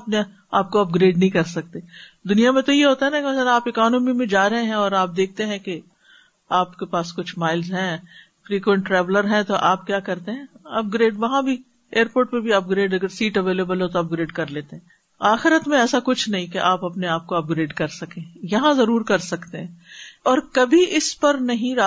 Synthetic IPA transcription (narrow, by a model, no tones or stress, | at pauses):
ɐpne | aːp̚koɐp̚ɡɾeːɖnɐɦĩkɐɾsɐk̚t̪eːd̪ʊnijamẽt̪ojeɦoːt̪aɦɛnakemɐsɐlaːpɪkɔːnəmimẽd͡ʒaːɾɐɦẽɦɛ̃ɔːɾaːp̚d̪eːk̚ʰt̪eɦɛ̃ke | aːpkepaːskʊt͡ʃʰmaːɪlzɦɛ̃ː | fɾiːkwə̃ɳʈɾɛːʋləɾɦɛ̃t̪oʔaːp̚kjaːkɐɾt̪eɦɛ̃ːɐp̚ɡɾeːɖʋɐɦãbʱi | eːɾpoːʈ̚pebʱiɐp̚ɡɾeːɖɐɡəɾsiːʈɐʋeːleːbəlɦot̪oɐp̚ɡɾeːɖkɐɾleːt̪eɦɛ̃ | aːxɪɾət̪mẽɛːsakʊt͡ʃʰnɐɦĩkeʔaːpɐpneaːp̚koɐp̚ɡɾeːɖkɐɾsɐkẽːjɐɦãzɐɾuːɾkɐɾsɐkt̪eɦɛ̃ːɔːɾkɐbʱiɪspɐɾnɐɦĩɾaː